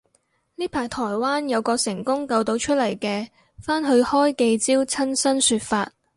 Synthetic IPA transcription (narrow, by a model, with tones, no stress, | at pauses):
niː˥pʰaː˨˩jt̪ʰɔː˨˩jwaː˥njɐ˨˧wkɔː˧sɪ˨˩ŋkʊ˥ŋkɐ˧wt̪o˨˧wt͡ʃʰɵ˥t̚lɐ˨˩jkɛː˧ | faː˥nɦɵ˧ɥhɔː˥jke˧jt͡siː˥wt͡sʰɐ˥nsɐ˥nsyː˧t̚faː˧t̚